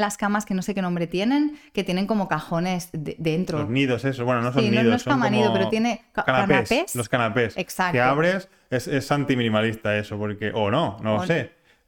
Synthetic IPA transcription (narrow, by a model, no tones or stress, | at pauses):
laskamaske̞no̞se̞ke̞nombɾe̞t̪je̞nẽ̞nke̞t̪je̞ne̞ŋko̞mo̞kaxo̞ne̞zðed̪e̞nt̪ɾooniðosesowenonsosoinoðonoesamaniðopeɾot̪je̞ne̞kkananeaspesloskanape̞seksakkeaβɾe̞s | ese̞sant̪imĩnĩmalist̪ae̞sopo̞ɾke̞ʔono̞nolose